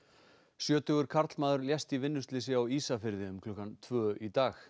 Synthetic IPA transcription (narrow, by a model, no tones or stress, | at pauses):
sjœːt̪ʏɣʏɾ̥kʰaɾt̪lmaːðʏɾljɛst̪ivɪnːʏst̪lɪs̬ɪawiːsafɪɾðɪʏmkʰlʏhkant̪ʰvœːʔit̪aːx